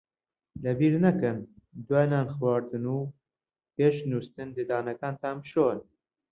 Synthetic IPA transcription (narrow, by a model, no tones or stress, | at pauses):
lɐbiːɾnɐkɨnd̪waːjnaːnxwaːɾd̪ɨnuː | peːʃnuːst̪ɨnd̪ed̪aːnɐkaːnt̪aːnbʃon